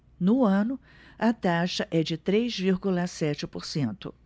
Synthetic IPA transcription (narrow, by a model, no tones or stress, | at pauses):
nʊɐ̃nʊ | ɐt̪aʃɐʔɛd͡ʒɪt̪ɾejzviɾɡulɐsɛt͡ʃɪpoɾsẽnt̪ʊ̰